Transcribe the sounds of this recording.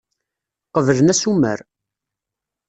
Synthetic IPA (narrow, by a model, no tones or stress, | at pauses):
qəvələnæsumə̰ɾ